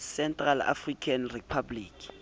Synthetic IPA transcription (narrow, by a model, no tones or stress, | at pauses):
sɛntʼrala̰frikʰanripʰabliːkʰi̥